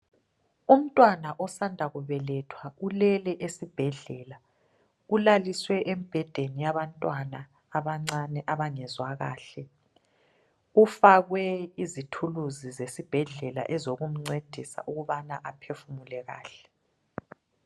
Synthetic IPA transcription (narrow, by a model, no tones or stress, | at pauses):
um̩tʼwanaʔɔsandʱaɣuβɛlɛtʰwaulɛlɛʔesib̥ʱɛɮɛːla | ulaliswɛʔemb̥ʱɛd̥ʱenijaβantʼwanaː | βaŋ͡ǀanɛʔaβaŋɛzwaɣa̰ːɬɛ | ufaɣwɛizitʰuluzizesib̥ʱɛɮɛla̰ʔɛzoɣum̩ŋ͡ǀed̥ʱisa̰ʔuɣuβanaʔapʰefumulɛɣa̰ːɬɛ̥